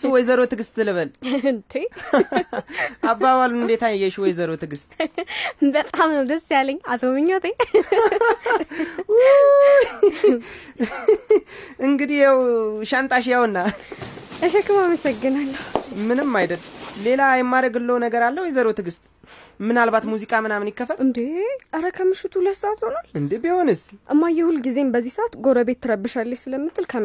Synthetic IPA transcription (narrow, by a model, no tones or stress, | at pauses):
swɔjzəɾot̪ɨɡɨst̪ɨlɨβəlɨnt̪ʰe | ʔabːaβalunɨnd̪et̪ʰajɛʃwɔjzəɾot̪ʰɨɡɨst̪ | bət̪ʼamnəwd̪əsːjaləɲːat̪ʰomɨɲːot̪ʰe | u | ɨŋɡɨd̪ijawʃant̪ʼaʃ̬jawɨnːa | ʔəʃɛkːɨmaməsəɡːɨnalːəhumɨnɨmːajd̪əlːle̞lajɛmːaɾəɡɨlːəwnəɡəɾalːəhwjɛzəɾot̪ʰɨɡɨst̪ʼmɨnalbat̪muzikʼamɨnamnikːəfəlɨnd̪eʔəɾəkʰəmɨʃɪt̪ʰuləsəat̪ho̞nalʔɨnd̪ebiho̞nɨsʔɨmːajːɛhulːɡize̞mbəzːihsəʔat̪ɡo̞ɾəbe̞t̪ʰːɨɾəbːɨʃalːəʃsɨləmːɨt̪ʰːɨlkʰəm